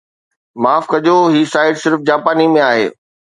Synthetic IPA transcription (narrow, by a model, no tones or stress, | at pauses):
maːfkɐʄoɦiːsaːɪɖsɪɾfd͡ʑaːpaːnimẽaːɦḛː